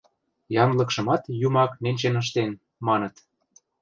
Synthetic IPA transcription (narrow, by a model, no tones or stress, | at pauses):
jɑnlɤ̆kʃɤ̆mɑt̪jumɑknenʲt͡ɕenəʃ̬t̪en | mɑnɤ̆t̪